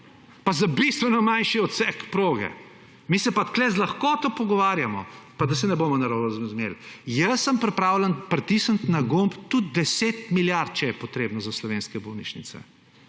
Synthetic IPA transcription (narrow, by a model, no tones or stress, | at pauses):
pazabist̪ʋɛnɔmanʃiɔt̪sɛkpɾoːɡɛ̰ | misɛpat̪klɛzlaxkot̪opɔɡɔʋaːɾjamɔpad̪asɛnɛboːmɔnɐɾowɐzzmḛljəsːəmpɾɛpɾaːwlənpɾɛt̪isənt̪naɡompt̪ud̪̚d̪ɛseːt̪miljaɾt̪̚t͡ʃɛjɛpɔt̪ɾeːbnɔzaslɔʋeːnskɛbownit͡ʃnḭsɛ̰